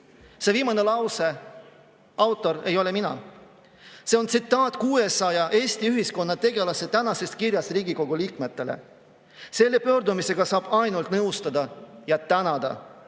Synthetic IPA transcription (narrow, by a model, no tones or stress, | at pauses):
se̞viːmɑne̞lɑwse̞ | ɑwt̪ːˑo̞ɾe̞jo̞le̞minɑ̰ | se̞o̞nt̪sit̪ːˑɑːt̪ˑkuːe̞sɑjɑʔe̞ːsʲt̪iyɦisko̞nːɑt̪e̞ɡe̞lɑse̞t̪ænɑse̞st̪̚kiɾjɑsriːɡiko̞ɡ̥uliːkme̞t̪ːˑe̞lḛ | se̞lːe̞pø̞ːɾd̪umise̞ɡ̥ɑsɑːb̥ɑjnult̪nɤwst̪ɑd̪ɑjɑt̪ænɑd̪ɑ̰